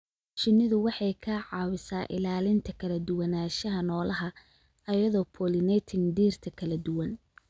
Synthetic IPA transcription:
t͡ʃɪnːɪðʊwɑħɑjkʰɐʕɑːwɪsaːʔɪ̰laːlɪnt̪ʰɐkʰɐlɐd̪ʊwɐnaːʃɐɦɐnɔːlɐɦɐ | ɐjɐðɔːpʰɔːlɪnɛjt̪ʰɪŋd̪iːrt̪ʰɐkʰɐlɐd̪ʊwɐn

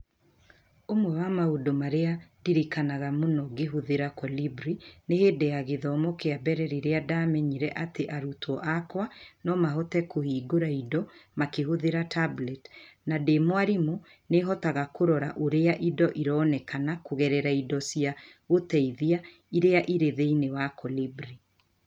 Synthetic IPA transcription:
omwɛwamaodomaɾeadiɾikanaɣamonɔɡeɦuðeɾakɔlibɾineheːdeaɣeðɔːmɔkeabɛɾɛɾiɾeadaːmɛɲiɾɛʔateʔaɾutɔʔakwanɔmaɦɔtɛkohiːɡoɾaidɔmakehoðeɾatablɛtnademwaɾimo | neɦɔtaɣakoɾɔɾa̰ʔoɾeaʔidɔʔiɾɔːnɛkanakoɣɛɾɛɾaidɔsia | otɛiðia | iɾeaʔiɾeðeinewakɔlibɾi

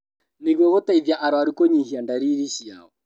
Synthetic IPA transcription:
niɣwɛɣotaiðjaʔaɾwaɾukoɲihiandaɾiɾisia̰ɔ

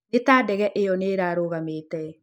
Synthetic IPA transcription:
netaːdɛɣɛʔejɔneːɾaːɾoːɣameːtɛ

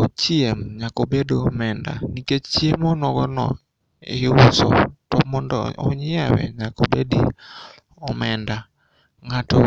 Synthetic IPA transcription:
t͡ʃiemɲakobedoɔmɛnda̰niket͡ʃt͡ʃiemɔnɔɡɔnɔ̰ | eusɔ̰tɔmɔndɔɔ̰ɲjawɛ̰ɲakobedḭ | ɔmɛnda | ŋatɔ

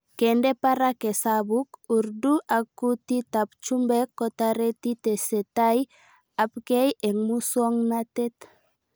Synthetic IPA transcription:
kendeparakesaβukuɾd̪uʔakut̪it̪ap̚t͡ʃumbekːot̪aɾet̪it̪eset̪aj | ap̚ɡejeŋmusuaŋnat̪et̪

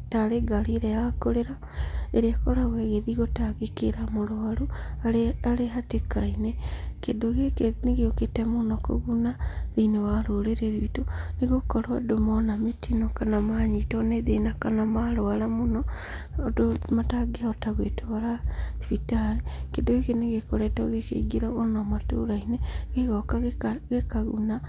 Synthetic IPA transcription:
taɾeɡaliɾejakoɾeɾa | eɾeakoɾaɣweɣeðiɣotaɣekeɾamoɾoaloaaɾeɦatekainekedoɣekeneɣioketemonɔko̰ɣunaðinewaɾoɾeɾeɾiitoneɣokɔɾwadomɔnametinokanamaɲitɔneðenakanamaɾoalamonɔ | domataɡeaɔtaɣwetowaɾatwitaɾekendoekeneɣekoɾetɔɣekḛɡiɾaonamato̰ɾaineɣeɣɔkaɣekaɣṵna

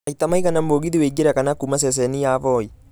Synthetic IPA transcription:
ɐjt̪ːɐmɐjkɐnɐmboːɡɪd̪ɪweːɡɪɾɐkɐnakːʊmɐs̬es̬enijaːfoːj

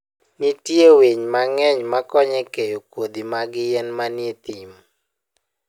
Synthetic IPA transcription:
nitjeweɲmaŋɛɲmakɔɲɛkejokwod̪imaɡɪjɛnmanet̪ɪm

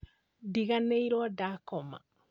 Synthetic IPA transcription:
diɡanɛjɾɔdakɔma̰

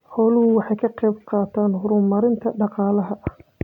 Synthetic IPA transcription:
ħɔːlʊhʊwɑħɑjkʰɐqɛjbqɑːt̪ʰaːnɦʊɾʊmɐɾɪnt̪ʰɐɖɑqɑːlɐɦɐʔɐh

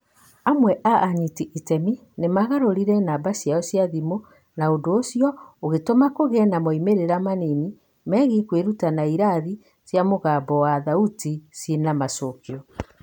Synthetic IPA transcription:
amwɛʔaʔːɲitiʔitɛmi | nemaɣaɾoɾiɾɛnabasjaɔsjaðimo | naondoːsiɔoɣetomakoɣɛnamoimeɾeɾamanini | mɛɣikweɾutanaiɾaði | sjamoɣabɔwaðautisinamasokiɔ

